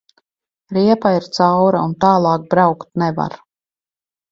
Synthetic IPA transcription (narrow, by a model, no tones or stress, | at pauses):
ɾiɛpaiɾt̪sawɾaunt̪aːlˠɑːk̚bɾawkt̪̚nɛva̰ɾ